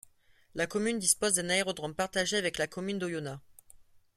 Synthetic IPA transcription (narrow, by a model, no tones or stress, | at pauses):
lakɔmynd̪ispozd̪ɛ̃naeʁɔd̪ʁɔmpaʁt̪aʒeavɛklakɔmynd̪ojona